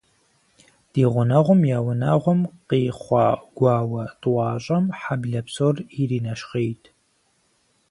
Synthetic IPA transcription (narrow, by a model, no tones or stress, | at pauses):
d̥iːʁʷʊnɐʁʷʊmjaːwʊnɐʁʷʊmqeːχʷɑːɡ̥ʷɑːwɐtʼwɑːɕʼɐmħabɮɐpsoːririːnɐʃχeːjtʰ